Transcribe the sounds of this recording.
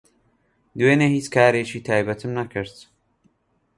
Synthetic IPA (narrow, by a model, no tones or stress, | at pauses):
d̪weːnehiːt͡ʃkʰaːɾet͡ʃiːt̪ʰaːjbɐt̪ʰɨmnɐkʰɨɾt̪